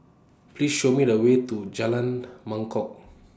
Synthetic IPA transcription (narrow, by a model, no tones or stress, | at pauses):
plisʃomidəwet̪ud͡ʒalãnmãŋkɔk̚